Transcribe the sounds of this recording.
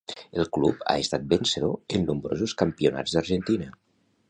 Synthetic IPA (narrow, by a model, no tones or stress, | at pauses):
elˠklupa̰est̪at̪̚benseðoenːumbɾo̰zuskəmpiuna̰d͡zd̪əɾʒent̪inə